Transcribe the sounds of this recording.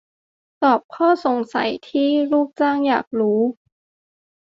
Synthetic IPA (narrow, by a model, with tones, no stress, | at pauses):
t̪ɔː˨˩p̚kʰɔː˥˩so˨˩˦ŋsa̰˨˦jt̪ʰiː˥˩luː˥˩k̚t͡ɕaː˥˩ŋjaː˨˩k̚ɾuː˦˥